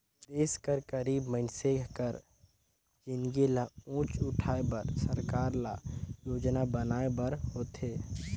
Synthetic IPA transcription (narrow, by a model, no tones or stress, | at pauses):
d̪eːskəɾkəɾiːbməɪnsekəɾ | d͡ʒɪnɡelaũːt͡ʃʊʈʰaːebəɾsəɾkaːɾla̰joːd͡ʒnabənaːebəɾhoːt̪eː